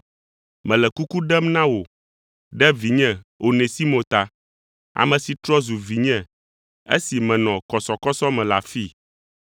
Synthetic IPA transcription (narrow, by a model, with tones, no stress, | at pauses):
mɛ̃˨lɛ˨ku˦ku˦ɖɛ˦mnã˦wo˨ | ɖɛ˦vi˨ɲɛ̃˦˨wo˨nɛ̃˨si˦mõ˨t̪a˨ | a̰˨mɛ̃˨si˨t̪ɾɔ˦zu˨vi˨ɲɛ̃˦˨ | ḛ˦si˨mɛ̃˨nɔ̃˨kɔ˨sɔ˨kɔ˦sɔ˦mɛ̃˨la˨fi˦˨